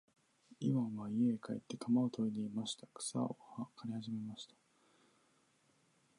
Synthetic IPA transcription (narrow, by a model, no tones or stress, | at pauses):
imamaiekaḛt̪ːe̞k̪ʰamaot̪oid̪e̞imaɕi̥t̪ḁkɯ̥sa̰o̰hakʰaɾʲihaʑime̞maɕi̥t̪ḁ